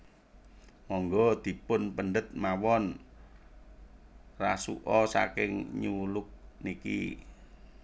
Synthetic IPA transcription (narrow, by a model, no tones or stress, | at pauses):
mɔŋɡɔd̪̥i̤pʊnpəɳɖət̪̚mawɔn | rasuʔɔsa̰kɪŋɲulʊk̚nikḭ